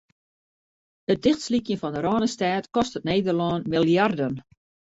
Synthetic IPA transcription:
ət̚dɪxtslikjənfɔndəɾɔːnəstaːtkɔstətneːdərlɔnmilˠjardən

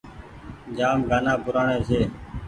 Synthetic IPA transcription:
d͡ʒaːmɡaːnãːpʊɾaːɳẽːseː

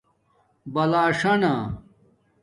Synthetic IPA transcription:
bɐlaːʂɐna

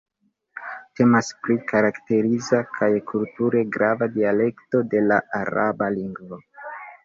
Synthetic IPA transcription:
te̞masplikʰaɾakte̞ɾizakʰajkʰultuɾe̞ɡɾavadiale̞kto̞de̞laʔaɾabaliŋɡvo̞

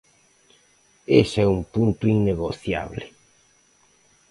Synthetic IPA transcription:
esɛumpunt̪ʊiŋneɣoθja̰βle

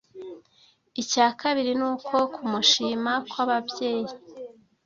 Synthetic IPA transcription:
icaːkaβiɾinuːkʰo̞kʰumuʃiːmakwaβabɟe̞ːji

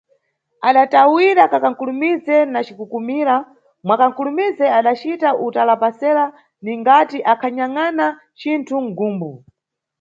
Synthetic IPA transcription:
aɗatawiɾakakaŋ̩kulumizɛnat͡ʃikukumiːɾa | mwakaŋkulumizɛaɗat͡ʃitaʔutalapasɛɾa | niŋɡatiʔakʰaɲaŋana | t͡ʃintʰuŋ̩ɡuːmbu

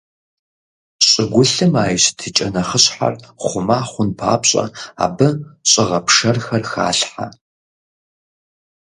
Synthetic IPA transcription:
ɕʼɪɡʷʊɬɨmaːjɕtʰɨt͡ʃʼɐnɐχəɕħa̰rχʷʊmaːχʷʊnpʰa̰ːpɕʼɐ̰a̰ːbɨɕʼɪʁɐpʰʂɐrxɐrxa̰ːɬħa

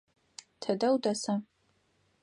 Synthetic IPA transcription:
tʰɐdɐwdasa

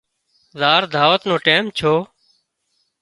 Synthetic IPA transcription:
zaːɾd̪ʱaːʋət̪nõːʈeːmt͡ʃʰoː

